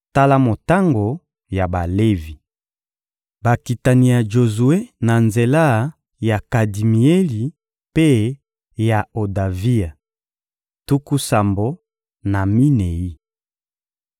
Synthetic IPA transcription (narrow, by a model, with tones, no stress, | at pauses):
ta˦la˦mo˨ta˦ŋɡo˨ | ja˨ba˨le˦vi˨ | ba˨ki˨ta˨ni˨ja˨ʒo˨zu˨e˦na˨nze˨la˦ | ja˨ka˨di˨mi˨e˦li˨ | pe˦ | ja˨o˨da˨vi˦a˨ | tu˦ku˦sa˨mbo˦ | na˨mi˦ne˨i˦